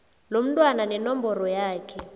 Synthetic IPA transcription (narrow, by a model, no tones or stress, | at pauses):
lom̩tʼwananɛnɔmbɔrɔjaːkʰɛ